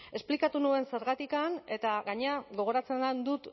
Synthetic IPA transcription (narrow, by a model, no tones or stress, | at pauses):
e̞splikat̪unue̞nse̞ɾɣat̪ikane̞t̪aɣaɲe̞aɣo̞ɣ̞o̞ɾat͡se̞nand̪ut̪